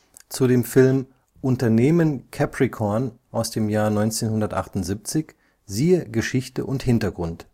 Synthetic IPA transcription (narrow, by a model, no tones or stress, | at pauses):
t͡sudeːmfɪlm | ʔʊntɐneːmənkʰɛpʁikʰɔɐnʔaʊsd̥eːmjaːɐnɔʏnt͡seːnhʊndɐtʔa̰χtʊntz̥iːp̚t͡sɪç | ziːəɡəʃɪçtə̰ʔʊnthɪntɐɡʁʊnt